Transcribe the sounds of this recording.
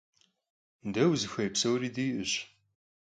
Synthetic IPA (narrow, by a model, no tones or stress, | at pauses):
ndɐwzɨxʷɐjpsɐwɾiːdiːʔɨɕ